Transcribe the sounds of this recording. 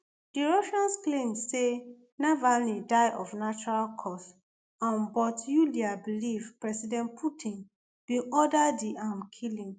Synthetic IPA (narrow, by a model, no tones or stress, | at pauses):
d̥iɹɔʃãnsklẽmse | navanidaɪʔɔfnat͡ʃɔɹalkʰɔs | ãnbɔtjuliabilivpɹɛsidɛ̃npʰutʰĩn | b̥ĩʔɔdadiʔãmkʰilĩŋ